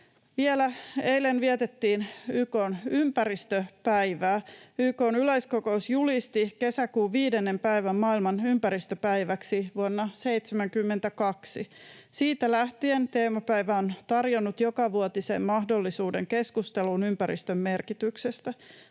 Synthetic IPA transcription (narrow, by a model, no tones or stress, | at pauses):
ʋielæeilenʋiɛt̪et̪ːiːnyːko̞ːnympæɾist̪øpæiʋæːyːko̞ːnyleiskoko̞usjulist̪ike̞sækuːʋiːde̞nːe̞mpæiʋæmːɑːilmɑnympæɾist̪øpæjʋæksiʋuonːɑse̞it̪semæŋkymːent̪ækɑksisiːt̪ælæht̪ie̞nt̪eːmopæiʋæont̪ɑrjo̞nːut̪jokɑʋuot̪isḛmːɑhdo̞lːisuːde̞ŋke̞skust̪elunympæɾḭst̪ømːe̞rkit̪ykse̞st̪æ